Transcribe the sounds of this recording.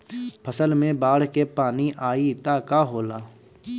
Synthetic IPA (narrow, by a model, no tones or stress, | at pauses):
pʰəsəlmẽbaːɽ̤kepaːniʔaːit̪aːkaɦoːlaː